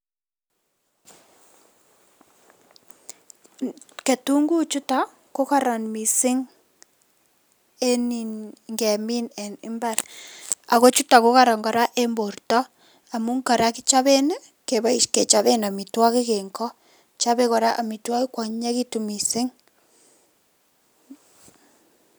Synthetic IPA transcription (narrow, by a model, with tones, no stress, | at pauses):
ke˨tu˦ŋɡu˦t͡ʃu˦ta˨ | ko˦ka˦ɾa˨nmi˨sɪ˦ŋ | e˦ni˨nŋɡɛ˨mi˦nɛ˨nɪ̰˦mba˦ɾa̰˨ko˦t͡ʃu˦ta˨ko˦ka˦ɾa˨ŋɡɔ˨ɾa˦ʔe˦mbo˨rtɔ˦ | a˨mu˦ŋka˨ɾa˦ki˦t͡ʃa˦βe˦ne˦ | ke˨βa˦i˦ʃke˨t͡ʃa˦βe˦na˨mi˨twa˦ki˦ke˨ŋkɔ˦ | t͡ʃa˦βe˦kɔ˨ɾa˦ʔa˨mi˨twa˦ki˦kwa˨ɲɲa˦ki˦tu˨mi˨sɪ˦ŋ